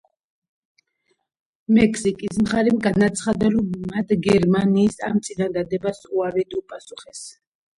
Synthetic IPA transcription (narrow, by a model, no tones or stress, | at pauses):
mɛkʰsikʼismχaɾɛmɡanat̪sʰχad̪aɾɔmːat̪ʰɡɛɾmaniːsamt̪sʼinand̪ad̪ɛbasuaɾid̪upʼasuχɛs